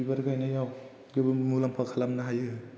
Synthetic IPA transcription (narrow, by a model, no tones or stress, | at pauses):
ibaɾɡajnajaw | ɡebmulampʰakʰalamnaɦajɯ